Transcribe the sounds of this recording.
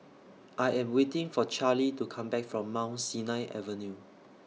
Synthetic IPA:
ʔajɛ̃mwetɪ̃ŋfɔt͡ʃalitukʰãmbɛkfɹɔ̃mːãʊ̃nsinaɪʔɛ̰vənju

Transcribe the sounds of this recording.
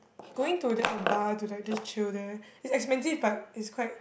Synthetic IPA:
ɡ̥oɪ̃ŋtudɛʔɛ̃nbatulak̚dɪst͡ʃildɹə̃nɪtsɛkspɛ̃nsivbat̚ɪtskʰwaɪt̚

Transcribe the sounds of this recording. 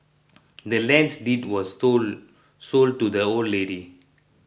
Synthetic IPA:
dəlɛ̃nsditwɔs | sol̚tudəoldleɾi

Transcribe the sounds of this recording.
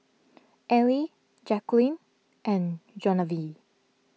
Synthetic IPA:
ʔɛli | d͡ʒɛklĩn | ʔɛ̃nd͡ʒɔnəvi

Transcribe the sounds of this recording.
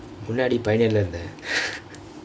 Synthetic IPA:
mʊnːaːɽipɐjɪnɪlːɐɾɯnd̪ɐ

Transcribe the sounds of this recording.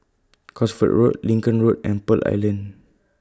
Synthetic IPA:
kʰɔsfə̰ʔɹotlĩŋkə̃nɹot̚ɛ̰̃npəla̰jlə̃n

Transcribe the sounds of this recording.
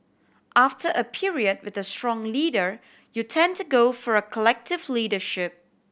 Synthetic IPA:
ʔaftəʔəpʰiɹiəd̚wɪðəstɹɔ̃ŋliːdəɹ | jutʰɛ̃ntuɡoʊfɔɹəkʰəlɛk̚tɪvliːdəʃɪp̚

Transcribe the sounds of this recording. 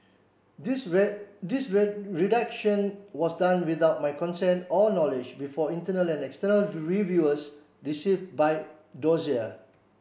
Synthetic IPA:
disɹɹidakʃə̃nwɔsdãnwiθaʊt̚majkɔ̃nsɛ̃nɔnɔlɪd͡ʒbifɔĩntənəlɛ̃nɛkstənəlɹivjuəs | ɹisivbaj | dɔziə

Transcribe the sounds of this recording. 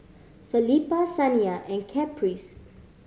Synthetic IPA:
filipasãniaʔɛ̃nkʰɛpʰɹis

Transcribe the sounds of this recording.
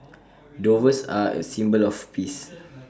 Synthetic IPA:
dovəsaə̰sĩmbəlɔfpʰis

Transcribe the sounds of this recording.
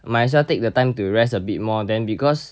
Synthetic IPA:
majʃatek̚dətãɪjmtuɹɛsəbit̚mɔdɛ̃nbikɔs

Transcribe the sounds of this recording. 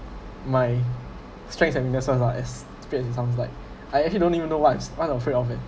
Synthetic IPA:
maɪ | stɹɛ̃ŋtshɛbĩŋdɛsãsaʔɛs | piɛsɪtsãʊ̃ns̬laɪk̚ | aɪɛk̚t͡ʃəlidõnivə̃nːowatãswaɔ̃əfɹedɔfɪt

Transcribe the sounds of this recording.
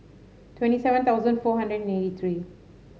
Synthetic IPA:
ʈwɛ̃nʈisɛʋə̃nt̪ʰaʊzə̃nɖfoːɦãɳɖɾəɖnẽʈit̪ʰɾiː

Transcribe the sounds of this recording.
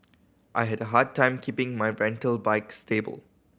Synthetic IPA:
ʔaɪɦɛdəɦad̚tʰːãɪ̃mkʰipɪ̃ŋmaɪɹɛ̃ntəlbaɪkstebə̰l

